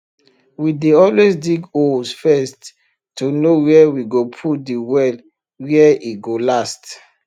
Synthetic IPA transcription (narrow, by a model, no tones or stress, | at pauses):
wideɔlwesdiɡosfɛst | tːunowiɛwiɡopʰudiwɛl | wiɛiɡolast